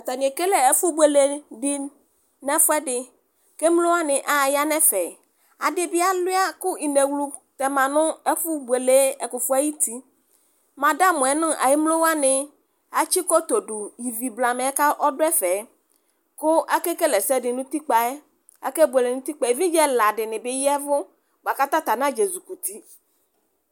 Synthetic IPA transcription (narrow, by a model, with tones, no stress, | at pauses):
t̪a˨nĩ˨e˨ke˦lɛ˨ɛ˦fʊ˦bwe˨le˨dɪ˦ | nɛ̃˦fʊ˦ɛ˦dɪ˨ | ke˦m˦lo˦wa˦nɪ̃˨ʔa˨ja˦nɛ̃˦fɛ˨ | a̰˨dɪ˨bɪ˦a˦lʊ˦a˦kʊ˦i˨ne˨wlu˨ | t̪ɛ˨mã˨nʊ̃˦ɛ˦fʊ˦bu˨e˨le˨˦ɛ˨kʊ˨fʊ˦a˦ji˦t̪i˦ | mã˨da˦mʊ̃˨ɛ˨nʊ̃˦a̰˨jɪ˦mlo˦wa˦nɪ̃˦ | a˨t͡ʃi˦kɔ˦t̪o˨dʊ˨ji˨vi˨bla˨m˨˦ɛ˦ka˦ʔɔ˦dʊ˦ɛ˦fɛ˨˦ | kʊ˦a˦ke˦ke˦lɛ˨sɛ˦dɪ˨nʊ̃˦t̪i˦k͡pa˨ɛ˦ | a̰˦ke˦bu˨e˨le˨nʊ̃˦t̪i˦k͡pa˨ɛ˨vi˦d͡ʒɛ˦la˨dɪ˨nɪ̃˨bɪ˦jɛ˦vʊ˦ | ɡ͡ba˨ka˦t̪a˦t̪a˨nã˦d͡ʒe˨zu˨ku˨t̪i˦